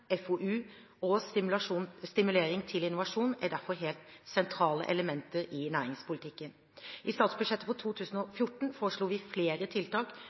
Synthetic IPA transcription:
ɛfoʔʉː | ɔunst̪ɪmʉleːɾɪŋt̪ʰɪlɪnʊʋɑʂuːnæɖ̪æɾfɔɾɦeːlt̪sɛnt̪ʰɾɑːlə̰ʔɛləmɛnt̪əɾɪnæːɾɪŋspʊlɪt̪ʰɪkːən | ʔɪst̪ɑːt̪sbʉd̪ʂɛt̪ːəpʰɔt̪ʰuːt̪ʰʉːsən̩ɔfjʊʈːɳ̩foːɾəʂɭuːʋɪfleːɾət̪ʰɪlt̪ɑːk

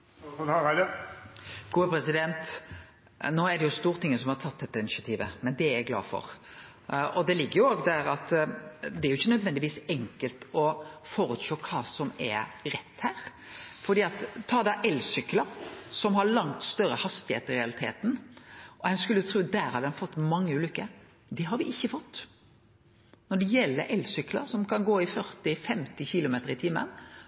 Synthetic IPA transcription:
ɡ̥uːəpʰɾɛsɪd̪ɛnt̪ | noːæɖɛjʊst̪uːɾt̪ʰɪŋːəsɔmhɑɾt̪ʰɑt̪̚ːd̪ɛt̪ːəɪnɪʃɑt̪ʰiːʋəmɛnd̪ɛæɾæɡlɑ̰ːfɔ̰ɾ | ɔd̪ɛlɪɡːəɾjʊoːɡd̪æɾɑt̪d̪ɛæɾʊɪçːənœd̪ʋɛnd̪ɪʋiːsɛŋkəlt̪ɔfɔɾʉːt̪ʃoːkʰɑːsɔmɛ̰ɾɛt̪ːhæːɾ | fɔɾd̪iːɑt̪ʰːɑːd̪ɑʔɛlːsʏkləɾsɔmɦɑɾɭɑŋt̪st̪œɾəhɑst̪ɪhḛːt̪əɪɾɛɑlɪt̪ʰḛːt̪n̩ʔɔhɛnskʉlːjʊt̪ʰɾuːd̪æːɾhɑd̪ɛnfɔt̪ːmɑŋːəʉːlʏkːə | d̪ɛɦɑɾʋɪʔɪçːəfɔt̪ː | nɔɖɛjɛlːə̰ʔɛlsʏkːlə̰ɾsɔmkɑnɡoːɪfœɾt̪ɪfɛmt̪ɪçɪlʊmeːt̪əɾɪt̪ʰɪmːə̰n

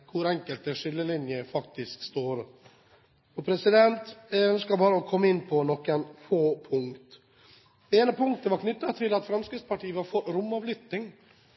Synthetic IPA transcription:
kʰʊɾɛŋkəlt̪əʂʏlːəlɪnjəfɑk̚t̪ɪskst̪oːɾ | ɔpʰɾɛsɪd̪ɛnt̪ɛœnskɑlbɑːɾəɔkʰɔmːəɪnːpʰɔnɔkːənfoːpʰʊŋkt̪ | eːnəpʰʊŋk̚t̪əʋɑɾkʰnʏt̪ːɑt̪ʰɪlɑt̪fɾɑmskɪspɑʈʰiːəʋɑɾfɔɾʊmːɑʋlʏt̪nɪŋ

